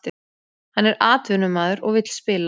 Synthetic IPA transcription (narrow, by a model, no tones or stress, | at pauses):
t̪ɪ | hanːɛɾʔaːt̪vʏnʏmaːðʏɾɔɣvɪt̪l̥spɪːla